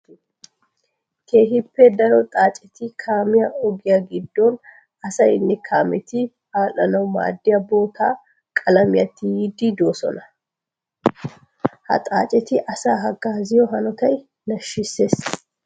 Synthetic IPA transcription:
k̪ʰe̞ːɦɪpːɛd̪ɐɾɔt̪ʼaːt͡ʃʼɛt̪ɪkʰaːmɪjɐɔɡɪjaɡɪd̪ːɔn | ɐsɐjnːɛkʰaːmɛt̪ɪ | aːlɐnɐwma̰ːd̪ːɪjɐbo̞ːt̪ʰaː | kʼɐlɐmɪjɐt̪ːɪjiːd̪ɪd̪o̞ːsɔ̰nɐ | hɐ̰t̪ʼa̰ːt͡ʃʼɛt̪ɪʔɐsaːɦɐɡaːzɪjɔɦɐnɔt̪ɐj | nɐʃːɪsːe̞ːs

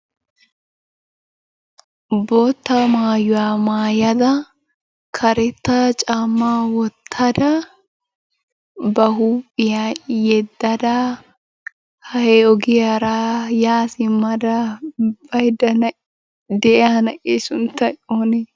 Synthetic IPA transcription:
boːt̪ːɐmaːjʊwaːmaːjɐd̪ɐ | kʰɐɾɛt̪ːɐt͡ʃʼamːaːwɔt̪ʰːɐd̪ɐ | bɐhuːpʼːɪjajɛd̪ːɐd̪a | hɐhɛɔɡɪjaɾaːjaːsɪmːɐd̪ɐb̥ɐjd̪ɐn | d̪ɛʔɛanɐʔesʊnt̪ːɐoːne

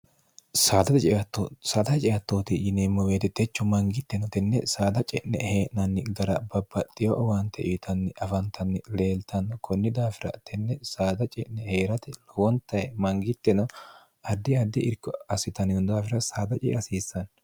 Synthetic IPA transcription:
saːd̪ɐt̪ɛt͡ʃʼɛʔɐt̪ːosaːd̪ɐt͡ʃʼɛjɐt̪ːoːt̪ɪd͡ʒɪnemːɔweːt̪ɛt̪ɛt͡ʃːʊmɐŋɡɪt̪ːɛnɔt̪ɛnːɛsaːd̪ɐt͡ʃʼɛʔnɛ̰heːʔnɐnːɪɡɐɾɐbɐbːɐt̪ʼːɪjɔʔwɐnt̪ʰɛʔit̪ʰɐnːɪʔɐfɐnt̪ːɐnːɪle̞ːlt̪ɐnkʰɔnːɪd̪aːfɪɾɐ̰t̪ɛnːɛsaːd̪ɐt͡ʃʼɛʔnɛhe̞ːɾɐt̪ɛwɔnt̪ːɐjɛmɐŋɡɪt̪ːɛnɔ | ɐd̪ːɪɐd̪ːɪʔɪɾkːɔɐsɪt̪ɐnɪjɔd̪aːfɪɾɐsaːd̪ɐt͡ʃʼɛ̰ʔɐsiːsːɐn

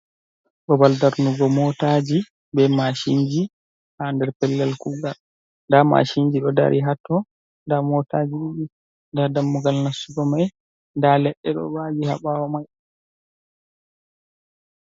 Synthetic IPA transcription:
ɗɔbaldaɾnuɡɔmɔtad͡ʒi | bɛmaʃiɲd͡ʒi | handɛɾpɛlːɛlkuɡal | ndama̰ʃiɲd͡ʒiɗɔda̰ɾʔiɦatːɔ | ndamɔtad͡ʒiɓuɗi | ndaɾdamːuɡalnasuɡɔmaj | ndalɛɗːɛɗɔ̰wad͡ʒiha̰ɓawɔmaj

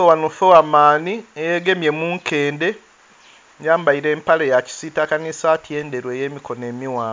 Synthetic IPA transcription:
owanufowamaːniejeɡe̞mje̞muːŋkʰe̞ːnde̞ | jaːmbaiɾe̞ːmpalejaci̥sitakanisaːtʰje̞ːnde̞ɾwe̞ːjeːmiko̞neːmiwaːm

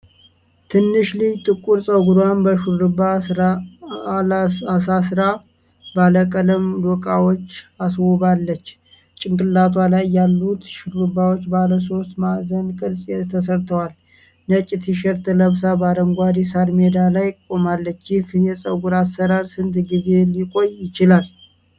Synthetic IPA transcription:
t̪ʰɨnːɨʃlijt̪ʼɨkʼuɾsʼəɡuɾwanbəʃuɾɾɨbaa | asasɨɾa | baləkʼələmd̪okʼawot͡ʃːaswɔbalːət͡ʃː | t͡ʃʼɪŋkʼɨlːat̪ʰwalajːalːut̪ʃuɾɾɨbawot͡ʃːbaləso̞st̪mazənkʼɨɾsʼɛt̪ʰəsəɾt̪ʰəwal | nət͡ʃʼːit̪ʰiʃɛɾt̪ʰələβsabad̪əŋɡʷad̪isaɾmed̪alajkʼo̞malːət͡ʃːjɪhjɛsʼə̰ɡuɾasːəɾaɾsɨnt̪ɡize̞likʼo̞jjɪt͡ʃɪlal

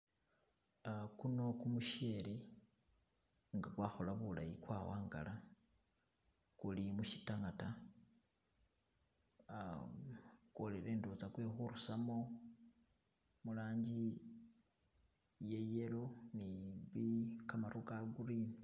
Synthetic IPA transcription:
kuno̞kumuʃe̞le | ŋɡakwaːxo̞laβula̰jikwaːwaːŋɡa̰la | kulimuʃi̥taŋata | ko̞leɾe̞ːndot͡sakwexuɾusamo̞ | mulaːɲɟi | jeje̞loniβikamaɾukaɡuɾini

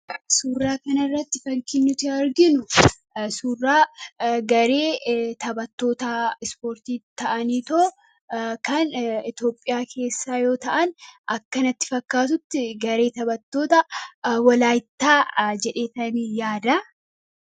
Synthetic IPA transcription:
suːrːaːkɐnɐrːɐt̪ːɪfɐŋkɪnːʊt̪ɪɾɡɪnʊ | suːrːaːɡɐɾe̞ːt̪ɐbɐt̪ːo̞ːt̪aɪspo̞ːɾt̪iːt̪ɐʔɐniːt̪oː | kʰɐnɪt̪jo̞ːpʼːɪjaːkʰe̞ːsːaːjo̞ːt̪ɐʔɐnɐkːɐnɐt̪ːɪ̥fɐkːaːt̪ʊt̪ːɪɡɐɾe̞ːt̪ɐbɐt̪ːo̞ːt̪ɐwɐlaːjɪt̪ːaːd͡ʒɛᶑe̞ːt̪ɐniːjaːd̪ɐ

